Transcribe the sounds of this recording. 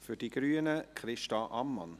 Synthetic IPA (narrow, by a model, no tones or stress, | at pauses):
fyd̥iɡ̥ɾyːənəkχɾɪʃtɑʔɑmːɑ̰n